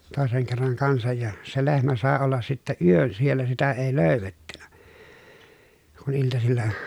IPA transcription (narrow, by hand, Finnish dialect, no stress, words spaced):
toˑeseŋ kerːɑŋ kɑnsɑj jɑ se lehmæ sɑˑe olːɑs sitːæ yøn sielːæ sitæ eˑi løˑy̞ʋetːynæ kun iltɑsilːɑ hɑn